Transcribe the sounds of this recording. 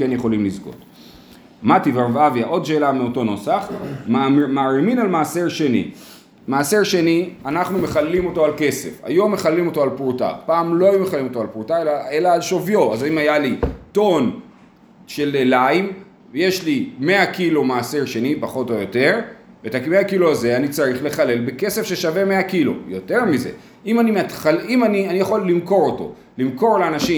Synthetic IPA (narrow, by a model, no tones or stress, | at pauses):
kenjeχo̞limlizɡo̞̰t | mativeʁvavjaʔo̞d̪ʃe̞ːlameoto̞no̞saχmamaʁiminalmaːseʁʃe̞nḭ | maːseʁʃe̞nianaχnume̞χalːimo̞to̞alke̞se̞̰fa̰jo̞mːe̞χallːimo̞to̞alpʁuta̰paːmlo̞ajumeχalimo̞t̪o̞alpʁutaelae̞laːlʃovjo̞azaimajalito̞n | ʃe̞lelaim | je̞ʃlime̞akilomaːseʁʃe̞nipaχo̞tojo̞te̞ʁvetakmeakiloaze̞anit͡saʁiχle̞χale̞lbe̞ke̞sefʃeʃave̞meakilo̰jo̞te̞ʁmize̞̰ | imanimat̪χalimanianijaχo̞lːimko̞ʁoto̞̰ | limko̞ʁleanaʃi